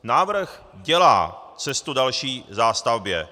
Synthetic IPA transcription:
naːvr̩x | ɟɛla̰ːt͡sɛst̪udalʃiːzaːst̪avbjɛ̰

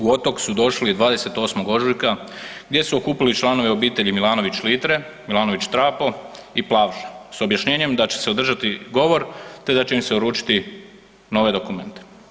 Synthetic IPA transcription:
uo̞t̪o̞ksud̪o̞ʃlid̪ʋaːd̪e̞se̞t̪o̞ːsmoɡo̞ʒujka | ɡd̪je̞suo̞kuːpilit͡ʃlˠano̞ʋeo̞biːt̪e̞ʎimilˠaːno̞ʋit͡ɕlit̪ɾe̞ | milaːno̞ʋit͡ɕt̪ɾaːpo̞iplˠaʋʒḁso̞bjaʃɲe̞ːɲe̞md̪at͡ɕe̞̥seod̪r̩ʒat̪iɡo̞ʋo̞ɾt̪e̞d̪at͡ɕe̞imseoɾuːt͡ʃi̥t̪i | no̞ʋe̞d̪okume̞nt̪e̥

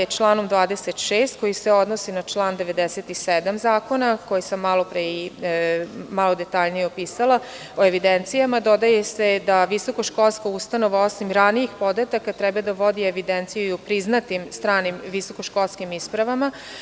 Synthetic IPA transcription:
t͡ʃlˠaːnomd̪ʋaːd̪eset̪ʃeːst̪̚ko̞jiseo̞d̪nosinat͡ʃlˠaːnd̪eʋe̞d̪eset̪ised̪amzaːko̞nako̞jisamːalo̞pɾe | malod̪et̪aʎnijeopiːsala | o̞e̞ʋid̪ent̪sijamad̪o̞d̪ajese̞d̪aʋiso̞koʃko̞lˠskaust̪ano̞ʋao̞simɾanijixpo̞d̪at̪akat̪ɾɛbad̪aʋo̞d̪ieʋid̪ent̪sijuiupɾiznat̪imst̪ɾaːnimʋiso̞koʃko̞lˠskimispɾaʋama

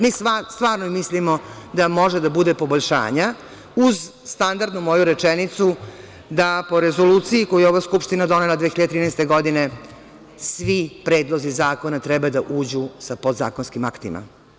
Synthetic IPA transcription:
misast̪ʋaːɾnoimislimo̞d̪amo̞ʒed̪abud̪epo̞boʎʃa̰ːɲa | uz | st̪and̪aɾd̪numo̞juɾet͡ʃenit̪su | d̪apo̞ɾezoluːt̪sijiko̞jujɛo̞ʋaskupʂt̪inad̪o̞nelˠad̪exiʎad̪t̪ɾinɛst̪e̞ɡo̞d̪ine̞ | sʋipɾe̞ːd̪lˠo̞zizaːko̞nat̪ɾɛbad̪aʔuːd͡ʑusapo̞d̪za̰ːkonskimakt̪ima̰

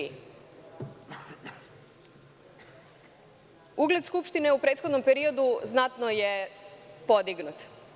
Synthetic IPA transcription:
uɡled̪skupʃt̪ine̞upɾe̞ːt̪xo̞d̪nompeɾio̞d̪uznat̪nojepo̞d̪iɡnut̪

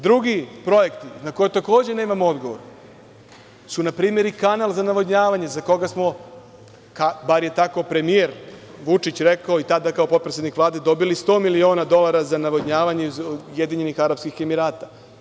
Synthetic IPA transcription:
d̪ɾuɡipɾo̞jekt̪inako̞jet̪ako̞ːd͡ʑe̞ne̞ːmamoo̞d̪ɡo̞ʋoɾ | sunapɾiːme̞ɾikanalˠzanaʋoɲaːʋaɲe̞zako̞ɡasmo̞ | kabaɾje̞t̪ako̞pɾe̞mije̞ɾʋut͡ʂit͡ɕɾekaoit̪ad̪akaopopɾesʲed̪nikʋlˠaːd̪e̞d̪o̞bilist̪o̞ːmilio̞ːnad̪o̞lˠaɾazanaʋoɲaːʋaɲezje̞d̪iɲe̞nixaɾapskixe̞miɾaːt̪a

